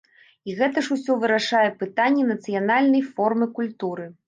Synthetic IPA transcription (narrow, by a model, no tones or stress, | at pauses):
iɣɛt̪ɐʂusʲɔvɨɾaʂajɛpɨt̪anʲːɛnɐt̪sɨjanalʲnɐjfɔrmɨkulʲt̪uɾɨ